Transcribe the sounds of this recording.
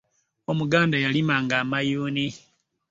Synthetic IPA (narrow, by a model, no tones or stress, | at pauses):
omuɡaːndajalimaŋɡamajuːni